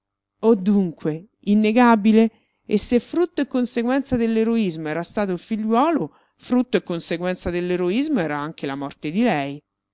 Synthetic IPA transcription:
od̪ːuŋkwe | inːeɡabile | esːefːɾut̪ːoekːonseɡwɛnt̪sad̪elːeɾoizmoɛːɾast̪aːt̪̬oilfiʎwɔːlo | fɾut̪ːoekːonseɡwɛnt̪sad̪elːeɾoizmoɛːɾaaŋk̟elamɔrt̪ed̪ilɛj

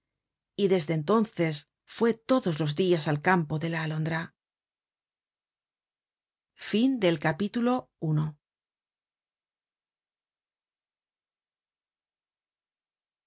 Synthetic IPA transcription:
iðe̞zðe̞nt̪̬o̞nθe̞s | fwe̞t̪o̞ðo̞zlo̞zdiasalkampo̞ðe̞laːlo̞nd̪ɾa | find̪e̞lkapit̪ulo̞uno

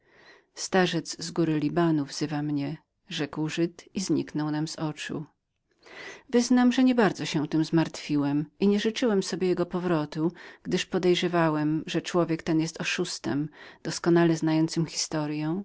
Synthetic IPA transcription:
st̪aʐɛt̪zzɡuɾɘlʲibanuvz̥ɘvamɲɛ | ʐɛkwʐɘt̪izɲiknɔwnamzɔt͡ʂṵ | vɘznamʐɛɲɛbaɾd̪zɔɕɛ̃t̪ɘmzmaɾt̪fʲiwɛmiɲɛʐɘt͡ʂɘwɛmsɔbʲjɛjɛɡɔpɔvɾɔt̪uɡ̥d̪ɘʂpɔd̪ɛjʐɛvawɛmʐɛt͡ʂwɔvʲjɛkt̪ɛnjɛst̪ɔʂust̪ɛ̰md̪̥ɔskɔnalɛznajɔnt̪sɘmxʲi̥st̪ɔɾjɔ̃w̃

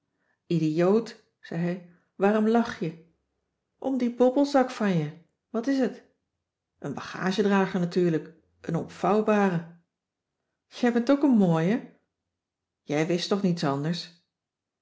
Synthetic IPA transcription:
idijowt | z̥ɛjɦɛj | ʋaːɾɔmlɑχjə | ʔɔmdibɔbəlˠzɑkfɑnjə | ʋɑtɪsət | ʔənbɑχa̰ːʒədraːχənatyːɹlək | ʔənɔmfɑwbaːrə | jəɛbɛntowkənmoːjə | jɛjʋɪstɔχnitsɑndəɹs

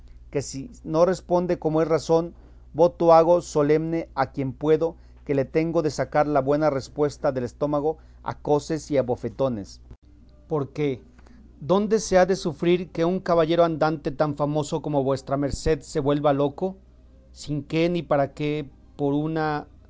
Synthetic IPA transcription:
ke̞sino̞re̞spo̞nd̪e̞komoesraso̞n | bo̞t̪oaɣo̞so̞le̞mne̞akje̞mpwe̞ðo̞ | ke̞le̞t̪e̞ŋɡo̞ðe̞sakaɾlaβwe̞narespwe̞st̪aðe̞lest̪o̞maɣo̞ | a̰ko̞se̞siaβo̞fe̞t̪o̞ne̞s | po̞ɾke̞ | d̪o̞nd̪e̞se̞aðe̞sufɾiɾke̞uŋkaβaʝe̞ɾoand̪ant̪e̞t̪aɱfamo̞so̞ko̞mo̞βwe̞st̪ɾame̞ɾse̞ðse̞βwe̞lβalo̞ko̞ | siŋke̞nipaɾake | po̞ɾuna

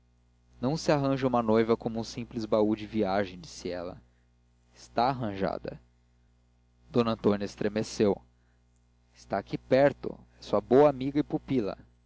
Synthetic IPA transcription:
nɐ̃w̃sɪaɦɐ̃ʒɐũmɐnojvɐkõmʊũsĩplizbaud͡ʒɪviaʒẽj̃d͡ʒisiɛ̰lɐ̰ | ɪ̥st̪aːɦɐ̃ʒa̰d̪ɐ̰ | d̪õnɐ̃nt̪õnɐɪst̪ɾemesew | ɪ̥st̪akipɛɾt̪ʊ̰ | ɛsuɐbowɐamiɡɐipupilɐ̰

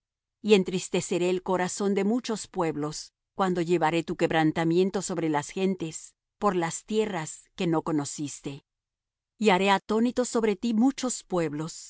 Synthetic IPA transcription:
ie̞nt̪ɾist̪e̞se̞ɾe̞ːlko̞ɾaso̞nd̪e̞mut͡ʃo̞spwe̞βlo̞s | kwand̪o̞ʝe̞βaɾe̞t̪uke̞βɾant̪amje̞nt̪o̞so̞βɾe̞lasxe̞nt̪e̞s | po̞ɾlast̪je̞raske̞no̞ko̞no̞sist̪e̞ | iaɾe̞at̪o̞nit̪o̞so̞βɾe̞t̪imut͡ʃo̞spwe̞βlo̞s

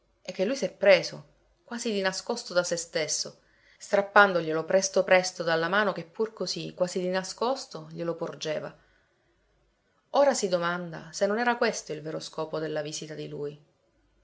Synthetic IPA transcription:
ek̟ːelujsɛpːɾeːzo | kwaːzid̪inaskost̪od̪asest̪esːo | st̪ɾapːand̪oʎelopɾɛst̪opɾɛst̪od̪alːamaːnok̟epːurkozikːwaːzid̪inaskost̪oʎelopord͡ʒeːva̰ | oːɾasid̪omand̪a̰senːonɛːɾakwest̪oilveːɾoskɔːpod̪elːavisit̪ad̪iluːj

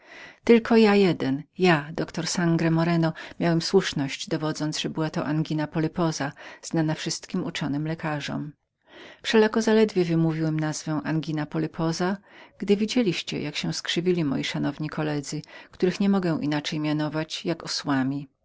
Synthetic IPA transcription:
t̪ɘlkʰɔjajɛd̪ɛnjad̪ɔkt̪ɔɾsaŋɡɾɛmɔɾɛnɔmʲjawɛmswuʂnɔɕd͡ʑd̪ɔvɔd̪zɔnd̪ʐ̥ɛbɘwat̪ɔ̰ʔanɡʲinapɔlɛpɔzaz̥nanafʂɘst̪kʲimut͡ʂɔnɘmlɛkaʐɔ̰m | fʂɛlakɔzalɛd̪vʲjɛvɘmuvʲiwɛmnazvɛw̃ʔanɡʲinapɔlɛpʰɔzaɡ̥d̪ɘvʲid͡ʑelʲiɕt͡ɕɛ̰jʔakɕɛ̃skʂɘvʲilʲimɔ̰jiʂanɔvɲikʰɔlɛd̪zɘkt̪uɾɘxɲɛmɔɡɛw̃ʔḭnat͡ʂɛjmʲjanɔvat͡ɕjakɔswamʲi

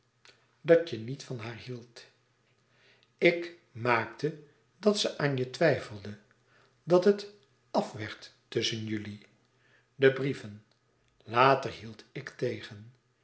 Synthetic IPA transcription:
dɑt͡ʃənitfɑnɦaːɹɦilˠt | ɪk | maːktə | dɑtsəʔaːnjətʋɛjfəlˠdə | dɑtɦət | ɑfʋɛɹtː | ɵsənjɵli | dəbrivən | laːtəɹɦilˠtɪktejχən

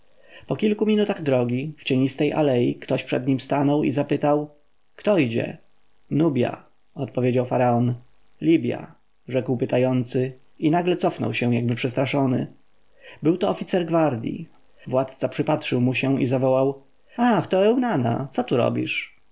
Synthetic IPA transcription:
pɔkʲilkumʲinut̪aɣd̪ɾɔɡʲift͡ɕeɲist̪ɛjʔa̰lɛjikt̪ɔɕpʂɛ̰d̪ɲimst̪anɔwḭzapɘt̪aw | kt̪ɔid͡ʑɛ̰ | nubʲja̰ | ɔt̪̚pɔvʲjed͡ʑawfaɾaɔn | lʲibʲja̰ | ʐɛkwpɘt̪ajɔnt̪sɘ | inaɡlɛt̪sɔfnɔ̰wɕɛ̃jaɡ̚bɘpʂɛst̪ɾaʂɔnɘ̰ | bɘwt̪ɔːfʲit̪sɛɾɡvaɾd̪ʲjḭ | vwat̪t̪sapʂɘpatʂɘwmuɕɛ̃ḭzavɔwaw | axt̪ɔɛwnana̰t̪sɔt̪uɾɔ̰bʲḭʂ

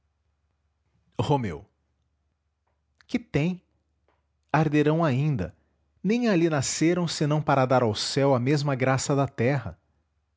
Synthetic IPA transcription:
homḛw | kɪt̪ẽj̃ | aɾd̪eɾɐ̃w̃aĩnd̪ɐ̰ | nẽj̃alinaseɾɐ̃w̃senɐ̃w̃paɾɐd̪aɾawsɛwɐmezmɐɡɾasɐd̪ɐt̪ɛɦɐ̰

